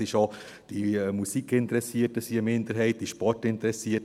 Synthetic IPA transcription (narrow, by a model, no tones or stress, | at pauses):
ɪʃo | d̥imusikʰɪntəɾɛsiətəsiəmɪndəɾɦɛɪt̚d̥iʃpɔrtɪntəɾɛsiə